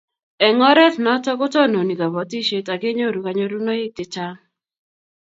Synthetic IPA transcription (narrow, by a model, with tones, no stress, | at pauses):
ɛ˨ŋɔ˦ɾɛ˦tnɔ˦tɔ˦kʊ˦tɔ˦no˨ni˨ɡa˨bɔ˨ti˦ʃe˦ta˨ɡɪ˦ɲo˦˨ɾu˨ka˨ɲo˦ɾu˦nɔ˦ɪ˦k̚tɪ˨t͡ʃa˦ŋ